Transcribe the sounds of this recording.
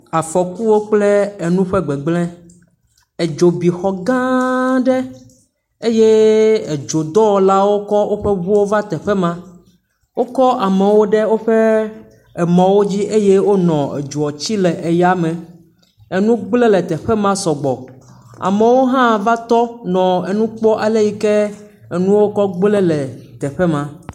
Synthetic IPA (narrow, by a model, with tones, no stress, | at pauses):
a˨fɔ˨ku˦wo˦k͡ple˦e˨nũ˦ɸɛ˦ɡ͡bɛ˨ɡ͡blɛ̃˦ | e˨d͡ʒo˨bi˨xɔ˨ɡã˦ɖɛ˦ | e˦je˦e˨d͡ʒo˨d̪ɔ˦˨la˦wo˦kɔ˦wo˦ɸe˦βu˦wo˦va˦t̪ɛ˨ɸɛ˦mã˦ | wo˦kɔ˦ʔa˨me˨wo˦ɖe˦wo˦ɸe˦ | ɛ˨mɔ̃˨wo˦d͡ʑi˦ʔe˦je˦wo˦nɔ̃˨ḛ˨d͡ʒu˨ɔ˨t͡ɕi˦lɛ˨ʔe˨ja˦mɛ̃˨ | e˨nũ˦ɡ͡blɛ˦lɛ˨t̪ɛ˨ɸɛ˦mã˦sɔ˨ɡ͡bɔ˨a̰˨me˨wo˦ɦã˦˨va˦t̪ɔ˦nɔ̃˨e˨nũ˦k͡pɔ˦ʔa˨le˦ji˦kɛ˦ | ɛ˨nũ˦wo˦kɔ˦ɡ͡blɛ˦lɛ˨t̪ɛ˨ɸɛ˦mã˨